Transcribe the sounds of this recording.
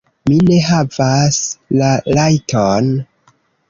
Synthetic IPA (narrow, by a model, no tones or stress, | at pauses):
mine̞ɦavaslalajtʰon